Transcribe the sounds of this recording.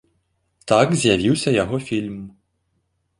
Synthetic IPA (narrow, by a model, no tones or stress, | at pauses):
t̪akzʲjaʋʲiwsʲɐjaɦɔfʲilʲm